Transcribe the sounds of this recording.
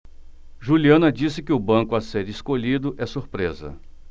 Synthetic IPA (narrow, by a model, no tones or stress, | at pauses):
ʒuliɐ̃nɐd͡ʒisɪkɪʊbɐ̃kʊaseɾɪskoʎid̪ʊʔɛsuɾpɾezɐ̰